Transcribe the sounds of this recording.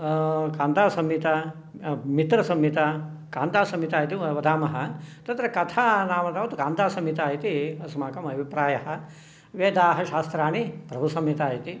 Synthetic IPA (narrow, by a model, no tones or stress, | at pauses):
kaːnt̪aːsɐmit̪ɐ | mit̪ɾɐsɐmːit̪ɐkaːnt̪aːsɐmit̪aːjit̪iʋɐd̪ʱaːmɐɦɐt̪ɐt̪ɾɐkɐt̪ʰaːnaːmɐt̪aːʋɐt̪uɡaːnt̪aːsɐmit̪aːjit̪iɐsmaːkɐmɐbʱipɾaːjɐɦɐ | ʋeːd̪aːɦɐʃaːst̪ɾaːnipɾɐbʱusɐmit̪aːjit̪i